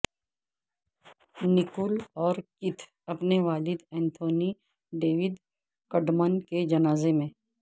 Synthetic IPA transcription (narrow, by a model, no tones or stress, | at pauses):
nɪkʊlɔːɾkɪt̪ʰ | ɐpneʋaːlɪd̪ɛ̃ːnt̪ʰoːni | ɖeːʋɪd̪ | kɐɖmənked͡ʒɐnaːzemẽː